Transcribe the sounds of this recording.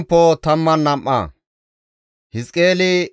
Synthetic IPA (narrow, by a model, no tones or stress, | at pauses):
pːot̪ɐmːɐnːɐmʔːɐ̰ː | hɪskʼeːlɪ